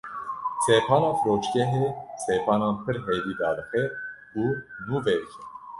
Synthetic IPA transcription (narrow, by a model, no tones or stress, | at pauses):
seːpʰɑːnɑːfɾoːt͡ʃkɛɦeseːpʰɑːnɑːnpʰɨɾɦed̪iːd̪ɑːd̪ɨxɛ | uːnuːvɛɾkʰɛ